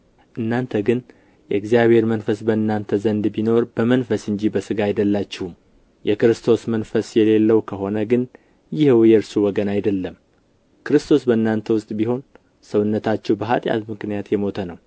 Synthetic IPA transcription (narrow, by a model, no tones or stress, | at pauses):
ʔɨnːant̪ʰəɡɨn | jɛɨɡzijaβhe̞ɾmənfəsbəɨnːant̪ʰəzənd̪bino̞ɾbəmənfəsɨɲd͡ʒibəsɨɡaajd̪əlːat͡ʃːɪhum | jʔɛkɨɾɨst̪ʰo̞smənfəsjɛle̞lːəwukʰəɦo̞nəɡɨn | jɪhwjɛɾsuwɔɡənajd̪əlːəm | kʰɨɾɨst̪ʰosbəɨnːant̪ʰəwʊst̪ʼbiho̞n | səwʊnːət̪ʰat͡ʃːɛwbəɦa̰t̪ʼja̰t̪mɨknijat̪jɛmo̞t̪ʰənəw